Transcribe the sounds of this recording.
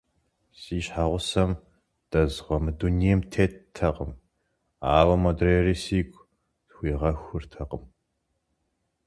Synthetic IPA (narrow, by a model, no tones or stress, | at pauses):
siːɕħaːʁʷʊsɐm | d̥ɐzʁʷɔmɨdunijɛmtʰeːttʰːɐqəm | aːwɐmodreːriːsiːɡʷʼ | txʷiːʁɐxʷʊrtʰɐqəm